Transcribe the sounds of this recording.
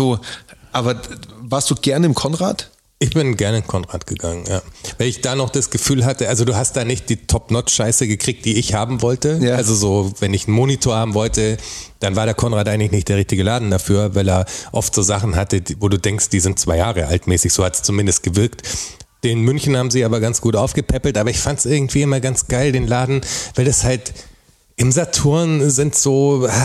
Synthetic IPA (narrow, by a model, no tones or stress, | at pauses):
z̥oːʔaːbɐvaːɐstd̥uːɡɛɐnɪmkʰɔnʁaːt | ʔɪçb̥ɪnɡɛɐnəɪnkʰɔnʁaːtɡ̥əɡaŋənjaːvaɪɪçd̥aːnɔχd̥asɡ̥əfyːlɦatəʔalzoduːɦast̚d̥aːnɪçt̚d̥iːtʰɔpnɔtʃaɪsəɡəkʁ̥iːk̚td̥iːɪçhaːbm̩vɔltəalzozoːvɛnɪçn̩moːnitʰoːɐhaːbm̩vɔltəd̥anvaːɐɾeːɐkʰɔnʁaːtʔaɪŋ̩lɪçnɪçtd̥eːɐʁ̞ɪçtɪɡəlaːdn̩dafyːɐvaɪleːɐʔɔ̰ftz̥oːzaχn̩ɦatədvoːduːdɛŋkst̚d̥iːzɪnt̚t͡sv̥aɪjaːʁəʔa̰ltmɛːsɪçz̥oːhatst͡sumɪndəst̚ɡ̥əvɪɐkt | d̥eːnmʏnçn̩haːbm̩ziːaːbɐɡant͡sɡ̥uːtʔaʊfɡ̥əpʰɛpl̩tʔaːbɐɪçfantsʔɪɐɡŋ̩tv̥iːɪmɐɡant͡sɡ̥aɪldeːnlaːdn̩vaɪldashalt | ʔɪmzatʰʊɐnzɪntz̥oːa